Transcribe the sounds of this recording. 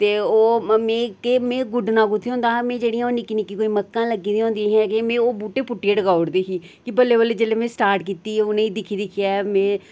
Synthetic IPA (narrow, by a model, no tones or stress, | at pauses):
t̪eːoːmẽːkeːmẽːɡʊɖnãːɡʊt̪ʰːeõːnd̪ãːmẽːd͡ʒeːɽijãːoːniːkɪnĩːkikoːiːməkːãːləɡiːd̪iːɦõːnd̪ĩːɦɛ̃ːkemẽːoːbuːʈeːpʊʈːieɖəɡaːɽd̪iːɦiːkɪbəlːeːbəlːeːd͡ʒeːleːmẽːsʈaːɾʈkiːt̪iːʊnẽːiːd̪ɪkʰiːd̪ɪkʰɪjaːmẽː